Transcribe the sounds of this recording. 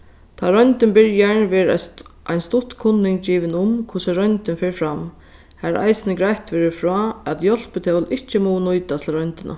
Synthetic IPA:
t̪ʰaɾœjnt̪ɪnbɪɹjaɳʋɛːɾʔajnst̪ʊt̪kʰʊnːɪŋkt͡ɕiːʋɪnʊmkʰʊsaɾœjnt̪ɪnfɛːɹfɾam | hæɾʔa̰jsɪnəɡɾajt̪ʋɛːɾɪfɹɔːæt̪jɔl̥pɪt̪ʰɛwlɪht͡ʃːəmɔːwnʊjt̪at̪ʰɪlɾœnt̪ɪnʔa̰

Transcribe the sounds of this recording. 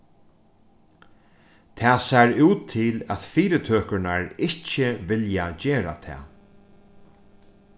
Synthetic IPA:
t̪ʰɛːsæɹʉːt̪ʰːɪlæ̰t̪fiːɾɪt̪ʰøːkəɹnaɹɪhcːɪʋɪljad͡ʑeːɾa̰t̪ʰɛ̰ː

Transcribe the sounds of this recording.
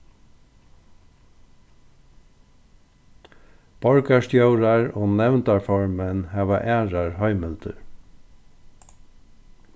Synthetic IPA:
b̥ɔɹkast̪jowɾaɹoːnɛʋnt̪aɹfɔɹmɛnhæːʋaʔæːɹaɹhɔʏmɪlt̪ə̰ɹ

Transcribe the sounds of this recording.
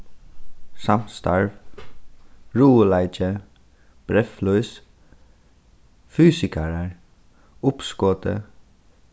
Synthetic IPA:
sɑmst̪ɑ̰ɹʋ | ɹuːəlæɪt͡ʃə | b̥ɾɛflœʏs | fyːsɪkʰæɹəɹ | ʊpskoːt̪ə̰

